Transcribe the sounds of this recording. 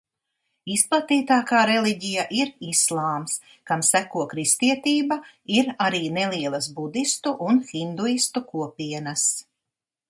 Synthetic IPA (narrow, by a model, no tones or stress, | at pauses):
isplˠat̪iːt̪aːkaːɾeliɟijaʔiɾislˠɑːms | kamsækuɔkɾist̪iɛt̪iːbaiɾaɾiːnelˠiɛlˠɐsbud̪ist̪uʔunxind̪uist̪ukuɔpiɛnas